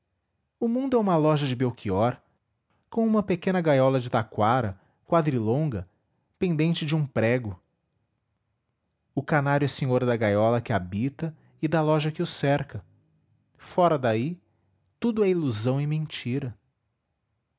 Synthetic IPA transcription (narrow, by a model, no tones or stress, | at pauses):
ʊmũnd̪ʊɛũmɐlɔʒɐd͡ʒɪbewkʰiɔɾ | kõw̃ũmɐpekẽnɐɡajɔlɐd͡ʒɪt̪akwaɾɐ | kwad̪ɾilõɡɐ | pẽnd̪ẽnt͡ʃɪd͡ʒɪũpɾɛɡʊ | ʊkanaɾjʊɛsẽɲoɾɐd̪ɐɡajɔlɐkɪabit̪ɐ | ɪd̪ɐlɔʒɐkɪʊsɛɾkɐ | fɔɾɐd̪ai | t̪ud̪ʊɛiluzɐ̃w̃ɪmẽt͡ʃiɾɐ